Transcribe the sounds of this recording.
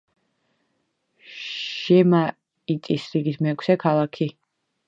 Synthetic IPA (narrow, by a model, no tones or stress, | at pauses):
ʃɛma | it̪ʼisɾiɡit̪ʰmɛkʰsɛkʰalˠakʰi